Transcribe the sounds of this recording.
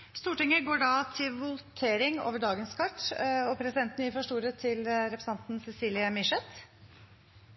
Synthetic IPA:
st̪uːʈɪŋːəɡoːɖɑt̪ʰɪlʋʊlt̪ʰeːɾɪŋo̰ːʋəɖɑːɡənskʰɑʈːɔpʰɾɛsɪd̪ɛnt̪nɪfɔʂʈuːɾət̪ʰɪlɾɛpɾəs̩ɑnt̪n̩sɛsiːlɪəmɪʂɛt̪

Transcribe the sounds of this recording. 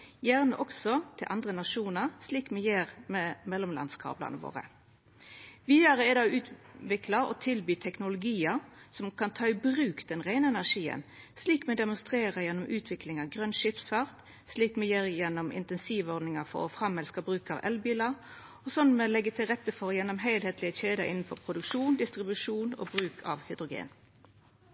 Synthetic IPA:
jæːʁnəʔɔksɔt̪ʰɪlʔɑnd̪ʁənɑʂuːnəʁsliːkmɛjeːʁmɛmɛlʊmlɑ̰nskʰɑ̰ːblɑ̰nəʋo̰ːʁə̰ | ʋiːəʁəɛd̪ɑʉːt̪ʋɪklɑɔ̰t̪ʰɪlbyːt̪ʰɛknʊlʊɡiːəsɔmkʰɑnt̪ʰɑːɪbʁʉːkd̪̥ɛnʁæɪnəɛnæʂiːə̰nsliːkmɛd̪ɛmʊnst̪ʁeːʁəjɛnːɔmʔʉːt̪ʰʋɪklɪŋɑʋɡʁœnʃɪpsfɑʁt̪ | sliːkmɛjeːʁjɛnɔmɪ̰nt̪ɛnsiːʋɔʁd̪nɪŋɑfɔ̰ʁɔ̰fʁɑmːɛlskɑbʁʉːkɑ̰ʋʔɛ̰lbiːlɑʁ | ɔsɔn̩mɛlɛɡːət̪ʰɪlʁɛt̪ːəfɔʁɔjɛnːɔmɦeɪlheːt̪lɪəçeːd̪əʔɪnn̩fɔʁpʰʁʊd̪ʉkʂuːnd̪ɪst̪ʁɪbʉʂuːno̰ːbʁʉːkʰɑ̰ʋhʏd̪ʁʊɡḛːn

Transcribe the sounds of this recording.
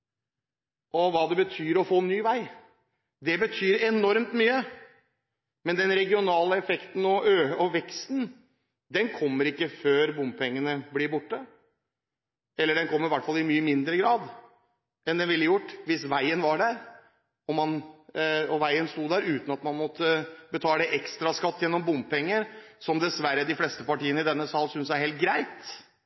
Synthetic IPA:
ʔɔʋɑːd̪ɛbət̪ʰyːɾɔfoːnːyːʋæɪ | d̪ɛbət̪ʰyːɾɛnɔɾmt̪myːə | mɛnd̪ɛnɾɛɡɪʊnɑːləɛfɛkt̪n̩ɔʔøːɔʋɛkst̪n̩ | d̪ɛnkʰɔmːəɾɪkːəføːɾbʊmpʰɛŋːənəblɪbʊʈːə | ɛlːəɖɛnkʰɔmːɾɪʋæʈfɑlːɪmyːəmɪnd̪ɾəɡɾɑːd̪ | ɛnd̪ɛnʋɪlːəjʊʈːʋɪsʋæɪənʋɑɖæɾ | ɔmɑn | ɔʋæɪənst̪uːd̪æɾʉːt̪n̩ɑt̪mɑnmɔt̪ːəbət̪ʰɑːɛʔɛkst̪ɾɑskɑt̪ːjɛnːɔmbʊmpɛŋːəɾsɔmd̪ɛsʋæɾːəd̪ɪflɛst̪əpɑʈiːənəɪd̪ɛnːəsɑlsʏnsjæɪheːlt̪̚ɡɾæɪt̪

